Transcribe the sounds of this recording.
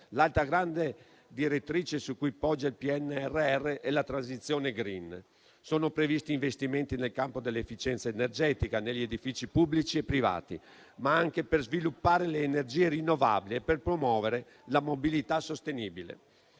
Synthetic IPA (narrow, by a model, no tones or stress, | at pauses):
lalt̪ɾaɡɾand̪e | d̪iɾet̪ːɾiːt͡ʃesukujpɔd͡ʒːailpiɛnːɛrːeɛrːeʔɛlat̪ɾansit̪sːjoːneɡɾin | soːnopɾevist̪iːɱvest̪iment̪inelkampod̪elːeefːit͡ʃɛnt̪saenerd͡ʒɛːt̪ikaneʎːied̪ifiːt͡ʃipublit͡ʃiepːɾiva̰ːt̪ḭ | maaŋk̟eperzvilupːaːɾeleːnerd͡ʒiːerinːova̰bilieperpɾomwɔːveɾe | lamobilit̪asost̪eniːbilḛ